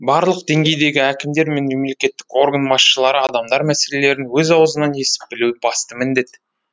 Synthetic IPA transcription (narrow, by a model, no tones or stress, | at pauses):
bɑɾlˠəqd̪e̞ŋɡʲe̞jd̪e̞ɡʲɪækʲɪmd̪e̞ɾme̞nme̞mle̞kʲe̞t̪ːɪ̥ko̞rɡɑnbɑsʃəlˠɑɾəɑd̪ɑmd̪ɑɾmæse̞le̞le̞ɾɪnwɵzɑwəzənɑnje̞sɪ̥p̚b̥ɪluɪbɑst̪əmɪnd̪e̞t̪